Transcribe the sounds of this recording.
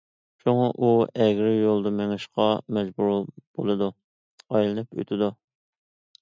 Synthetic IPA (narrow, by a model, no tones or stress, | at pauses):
ʃuŋɑʔuɛɡʲɾɪjolˠd̪ɨmeŋɪʃqɑmɛd͡ʒbuɾb̥olˠɨd̪u | ɑjlˠɨnɨpø̰t̪ʰɪd̪u